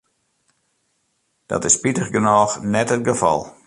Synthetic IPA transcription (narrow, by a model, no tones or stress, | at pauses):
d̥ɔ̰tɪspitəxɡənɔːxnɛtət̚ɡəfɑ̰lˠ